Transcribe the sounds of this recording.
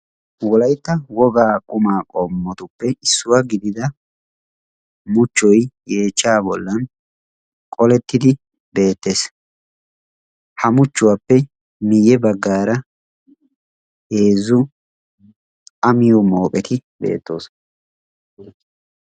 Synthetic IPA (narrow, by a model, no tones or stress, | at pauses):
wɔlɐjt̪ːɐwɔɡaːkʼʊmaːkʼɔmːɔt̪ʊpːɛʔɪsːʊwaɡɪd̪ɪd̪ɐ | mʊt͡ʃːɔjje̞ːt͡ʃːaːbɔlːɐn | kʼɔlɛt̪ːɪd̪ɪ | be̞ːt̪ːe̞ːs | hɐmʊt͡ʃːʊwapːɛ | mɪjɛbɐɡːaːɾɐ | he̞ːzʊ | ɐmɪjɔmoːpʼɛt̪ɪbe̞̰ːt̪ːo̞̰ːs